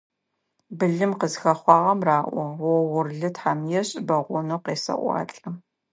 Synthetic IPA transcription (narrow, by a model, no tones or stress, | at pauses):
bɨɮɨmqəzxɐχʷɑːʁɐmraːʔʷɔwɔʁʷʊrɮɨtħaːmjɛɕʼɪbɐʁʷʊnoqeːsɐ̰ʔʷɑ̰ːɬʼɐ